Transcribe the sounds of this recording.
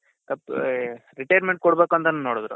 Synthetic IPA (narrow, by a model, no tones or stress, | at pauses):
t̪ɐpː | ɾiʈɐjɐɾmeɳʈ̚kɔɽbeːkuɐnt̪ɐnɐnnoːɽd̪ɾṵ